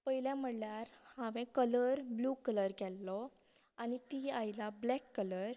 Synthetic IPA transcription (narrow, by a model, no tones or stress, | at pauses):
pəɦiljãm̤əɽljaɾhãʋɛ̃kələɾblukələɾɡʱɛlːɔ | añit̪iajlablɛkːələɾ